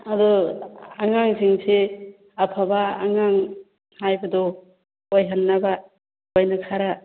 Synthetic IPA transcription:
adɔaŋaŋsiŋse | apʰaba̰ːŋaŋ | hajbad̪ɔ | ojɦanːaba | ojnakʰaɾa

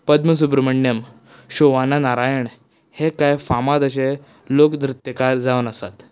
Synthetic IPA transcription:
pəd̪məs̬ubɾəməɳjəm | ɕoʋananaɾajəɳ | hekajfamad̪əɕ̬e | lokd̪ɾut̪jəkaɾd͡zaʋənəsa̰t̪

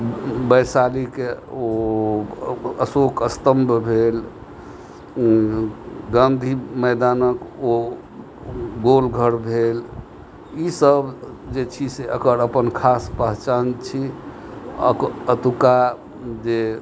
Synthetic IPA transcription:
bəjsalikeo | əsokəst̪əmbʱbʱel | ɡãnd̪ʱiməɪd̪anəko | ɡolɡʱəɾbʱel | isəb | d͡ʒet͡ʃʰiseəkəɾəpənkʰaspəɦt͡ʃant͡ʃʰi | ə̰kət̪uka | d͡ʒe

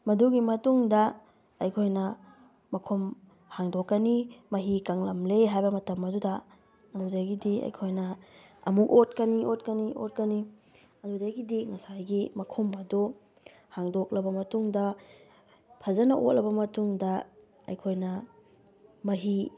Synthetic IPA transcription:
mɐduɡimɐtuŋdɐ | ɐjkʰojnɐ | mɐkʰom | haŋdokːɐnimɐɦikaŋlɐmleɦajbɐmɐtɐmɐdudɐ | ɐdudɐɡidiɐ̰jkʰojnɐ | ɐmukot̚kɐniʔot̚kɐniʔo̰t̚kɐni | ɐdudɐɡidiŋɐsajɡimɐkʰomɐdu | haŋdok̚lɐbɐmɐtuŋdɐ | pʰɐzɐnɐʔo̰t̚lʔɐbɐmɐtuŋdɐ | ɐ̰jkʰojnɐ | mɐɦi

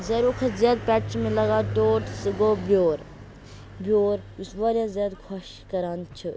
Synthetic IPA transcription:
zɐɾokʰɐzjaːd̪pɛʈt͡ʃmẽlɐɡaːʈoːʈsɨɡoːbjoːɾ | bioːɾusʋaɾjaːzʲjaːd̪kʰɐʃ | kɐɾaːnt͡ʃʰɨ

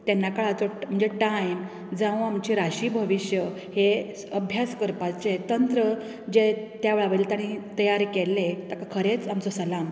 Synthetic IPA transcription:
t̪ɛnːakəɭat͡som̤əɳd͡zeʈajm | d͡zãʋũamt͡ɕiɾaɕiːbʱəʋiɕjə | he | əbʱjaskəɾpat͡set̪ənt̪ɾə | d͡ʑet̪jaʋɭaʋəilt̪aɽ̃it̪əjaɾkelːet̪akakʰəɾet͡samt͡sosəlam

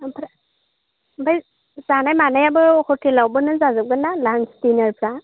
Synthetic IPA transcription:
pʰɾa | baj | zanajmanajabɯhɔtʰilawbɯnɯzazɯɡɯnalanstinaɾpʰɾa

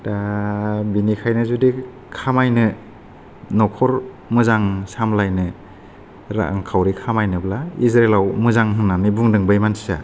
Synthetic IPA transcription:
ta | binikʰajnɯzudi | kʰamajnɯ | nɔkʰɔɾ | mɯzaŋsamlajnɯ | ɾa̰a̰ŋkʰawɾikʰamajnɯblaizɾelawmɯzaŋɦɯnːanɯbuŋdɯŋbɯjmansia̰

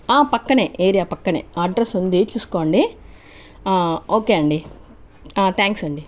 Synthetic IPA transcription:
aːpɐkːɐneːʔeːɾiaːpɐkːɐnḛːɐːɖɾesund̪iːt͡ʃuːsu̥koːɳɖi | oːkeːɐɳɖiː | t̪ʰaːŋksɐɳɖi

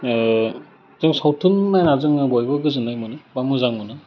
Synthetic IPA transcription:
zɯŋsawtʰunmajnazɯŋbɔjbɯɡɯzɯnajmunɯbamɯzaŋmunɯ

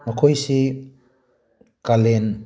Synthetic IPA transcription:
makʰojsi | kalen

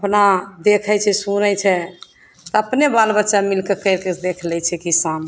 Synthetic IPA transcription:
əpnad̪ekʰɛt͡ʃʰɛsunɛt͡ʃʰɛ | t̪ɔəpnebalbətːʃamilkekəɪɾked̪ekʰlɛt͡ʃʰɛkisan

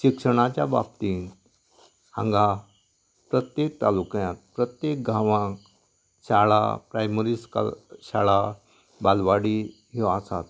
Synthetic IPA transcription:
ɕikʂəɽ̃at͡ɕjaba̰p̚t̪in | ã̰ŋɡa | pɾət̪jek̚t̪alukjãt̪̚pɾət̪jek̚ɡʱãʋãk | ɕaɭa̰pɾajməɾiska̰ɕaɭa | balʋaɽi | ɦeasa̰t̪

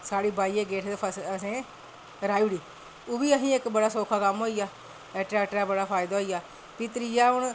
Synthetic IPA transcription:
saːɽiːbaːieːɡeːʈʰd̪epʰəsəsẽː | ɾaːiʋɽiː | obiːəɦĩːɪkbəɽaːsoːkʰaːkəmɦoːijaː | ɛːʈɾɛːʈɾaːbəɽaːpʰaːɪd̪aːɦoːijaː | pɪt̪ɾiːjaːɦʊɳ

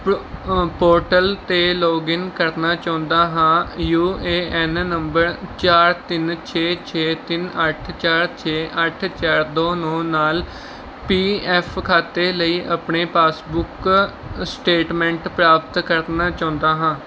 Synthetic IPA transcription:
poːɾʈəlt̪eːloːɡɪnkəɾnaːt͡ʃãːnd̪aːɦãːjuːeːɛnnəmbəɾt͡ʃaːɾt̪ɪnt͡ʃʰeːt͡ʃʰeːt̪ɪnəʈʰt͡ʃaːɾt͡ʃʰeːʔəʈʰt͡ʃaːɾd̪oːnoːnaːl | piːɛːpʰkʰaːt̪eːləiːʔəpɳeːpaːsbʊk | sʈeːʈmɛ̃ːɳʈpɾaːpət̪kəɾnaːt͡ʃãːnd̪aːɦãː

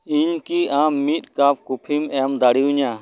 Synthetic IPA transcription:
iɲkiːʔãːmːiːt̪̚kaːp̚ʰkupʰimɛmd̪aɽiuɲãː

